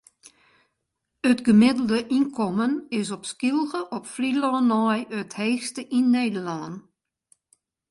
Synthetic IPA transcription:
ətɡəmɪdəl̩ˠdəʔinkʰɔmənɪsɔpskilˠɣəʔɔpfrilɔːnːɔjətheːxstəʔinːeːdəlɔːn

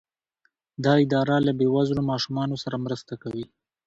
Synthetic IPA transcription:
d̪ɑɪd̪ɑɾalabewaznomɑʃumɑnosaɾamɾəst̪akawi

